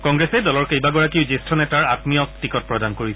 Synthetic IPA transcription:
kɔŋɡɹɛsɛdɔlɔɹkejbaɡɔɹakiʊzistʰɔnɛtaɹatmiɔk̚tɹikɔt̚pɹɔdankoɹisɛ

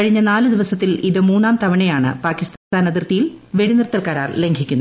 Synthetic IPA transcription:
kɐɻiɲːɐnaːlɨd̪iʋɐsɐt̪ːiliðɨmuːnːaːmt̪ɐʋɐɳɐjaːɳɨ̰paːkːist̪t̪aːnɐðirt̪ijilʋe̞ɽinirt̪ːɐlkaːɾa̰ːrle̞ŋɡʰʱikʲːunː

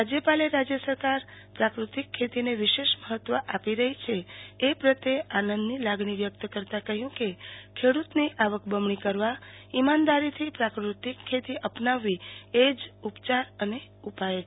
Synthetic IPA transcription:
ɾad͡ʒjəpaleɾad͡ʒjəsəɾkaɾpɾakɾut̪ikʰːet̪ineʋɪʃeʃməɦət̪ːʋəʔapiɾəɦit͡ʃʰeepɾət̪eanə̃nd̪nilaɡɳ̃iʋjək̚t̪əkəɾt̪ãkəɦjũkekʰeɽut̪niʔaʋəkbəmɳikəɾʋa | imand̪aɾit̪ʰipɾakɾut̪ikʰːet̪iʔəpnaʋːied͡ʒupt͡ʃaɾəne | upae

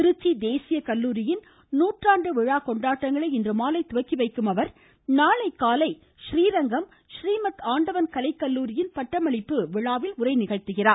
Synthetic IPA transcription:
ɪɾɯt͡ʃːid̪eːsɪjɐkɐlːuːɾɪjɪn | nuːʈraːɳɖɯʋɪɻaːkɔɳɖaːʈːɐŋɡɐɭɐɪɪndrɯmaːlɐɪt̪ʊʋɐkːiʋɐɪkːɯmɐʋɐɾ | naːlɐɪkːaːlɐɪ | ʃɾiːɾɐŋɡɐm | ʃriːmɐt̪aːɳɖɐʋɐnkɐlɐɪkːɐlːuːɾɪjɪnpɐʈːɐmɐɭɪpːɯʋɪɻaːʋɪlʊrɐɪnɪɣɐɻt̪ɯɣɪraː

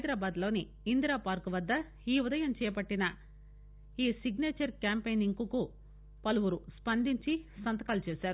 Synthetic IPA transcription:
ɦɐjd̪ɾaːbaːd̪lo̞ːniː | nd̪ɾaːpaːɾkuʋɐd̪ːɐ | iːud̪ɐjɐmt͡ʃɛːɐpɐʈːinɐ | iːsiɡneːt͡ʃɐɾkʲaːmpejniŋkuku | pɐluʋuɾuspɐnd̪iɲt͡ʃisɐnt̪ɐkaːlut͡ʃɛːsaːɾu

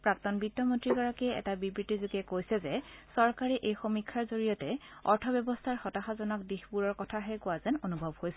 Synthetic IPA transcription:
pɹak̚tɔnbitːɔmontɹiɡɔɹakiɛɛ̰tabibɹitːizuɡɛkojsɛzɛsɔɹkaɹɛʔejxomikʰːaɹzoɹijɔtɛɔɹtʰɔbjɔbɔstʰaɹxɔtaxazɔnɔk̚dixpuɹɔɹkɔtʰaɦɛkʊazɛnonubʱɔbhojsɛ

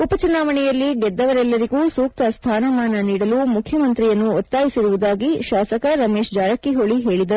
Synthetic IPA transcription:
upɐt͡ʃunaːʋɐɳɛjɐlːiɡɛd̪ːɐʋɐɾɛlːɐɾiɡuːsuːk̚t̪ɐst̪ʰaːnɐmaːnɐniːɽɐluːmukʰjɐmɐnt̪ɾijɐnːuɔt̪ːaːjisiɾuʋud̪aːɡiʃaːsɐkɐɾɐmeːʃd͡ʒaːɾɐkːiɦoɭiɦe̞ːɭid̪ɐɾ

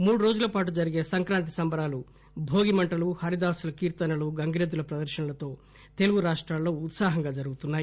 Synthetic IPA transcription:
muːɽuɾo̞ːd͡ʒulɐpaːʈ̬ud͡ʒɐɾiɡeːsɐŋkɾaːnt̪̬i̥sɐmbɐɾaːlu | bʱo̞ːɡimɐɳʈɐluhɐɾid̪aːsɐlɐkiːɾt̪ɐnɐluɡɐŋɡɾed̪ːulɐpɾɐd̪ɐɾʃɐnɐlɐt̪o̞ː | t̪e̞luɡuɾaːʂʈɾaːlːo̞ːut̪saːɦɐŋɡaːd͡ʒɐɾuɡut̪unːaːji

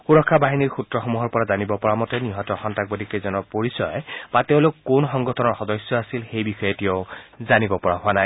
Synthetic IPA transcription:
xuɹɔkʰːabaɦiniɹxutɹɔxomuɦɔɹpɔɹazanibɔpɔɹamɔtɛniɦɔtɔxɔntak̚bodʱikezɔnɔpoɹisɔjb̥ateʊ̃lʊkːunxɔŋɡɔtʰɔnɔɹxɔdɔsjɔasilxejbixɔjɔtioʊzanibɔpɔɹaɦʊanaj

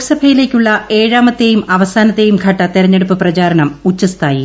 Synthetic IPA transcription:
sɐbʱɐjile̞ːkʲːuɭːɐe̞ːɻaːmɐt̪ːe̞ːjumʔɐʋɐsaːnɐt̪ːe̞jumkʰɐʈːɐt̪iɾɐɲːe̞ɽupːɨprɐt͡ɕaːɾɐnɐmut͡ɕːɐst̪ʰaːji

